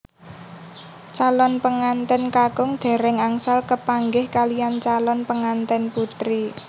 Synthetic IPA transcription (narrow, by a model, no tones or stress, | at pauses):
t͡ʃalɔnpəŋant̪ənkaɡ̥ʊŋd̪̥ɛ̤ɾɛŋaŋsalkəpaŋɡɪhkalijant͡ʃalɔnpəŋant̪ɛnput̪ɾi